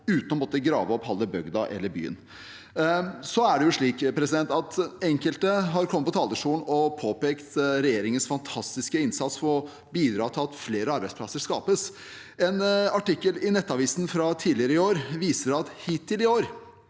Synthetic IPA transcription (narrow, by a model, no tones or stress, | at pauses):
ʉːt̪nɔmɔt̪ːəɡɾɑ̰ːʋəɔphɑlːəbœɡd̪ɑ̰ʔɛ̰lːəɾby̰ːə̰n | sɔæɖɛjʊʂɭiːkpʰɾɛsɪd̪ɛnt̪ɑt̪ɛŋkəlt̪əɦɑɾkʰɔmətpɔt̪ʰɑːləʂuːn̩ɔpʰoːpeːkt̪ɾɛjeːɾɪŋənsfɑnt̪ʰɑst̪ɪskəɪnsɑt̪sfɔɾɔ | biːd̪ɾɑːt̪ʰɪlɑt̪fleːɾəɑɾbæɪspʰlɑsəʂkɑ̰ːpəs | ɛnɑʈɪkːəlɪnɛt̪ːɑʋiːsnfɾɑt̪ʰiːdlɪəɾəɪoːɾʋiːsəɾɑt̪hiːt̪ʰːɪlɪoːɾ